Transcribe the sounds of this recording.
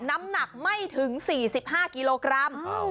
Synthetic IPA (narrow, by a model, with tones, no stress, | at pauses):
na˦˥mna˨˩k̚ma˥˩jt̪ʰɯ˨˩˦ŋsiː˨˩si˨˩p̚ɦaː˥˩ki˧loː˧kɾa˦˧˥m